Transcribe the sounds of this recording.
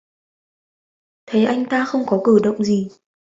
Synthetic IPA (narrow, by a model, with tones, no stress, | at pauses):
t̪ʰə˨˦jʔa˧jŋ̟t̪aː˧xə˧wŋ͡mkɔ˨˦kɨ˧˩ɗə̰˧˨wŋ͡mzi˨˩